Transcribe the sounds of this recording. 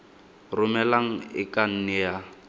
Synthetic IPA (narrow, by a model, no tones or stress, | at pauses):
rʊmɛlaŋ̩ɪkʼan̩nɛja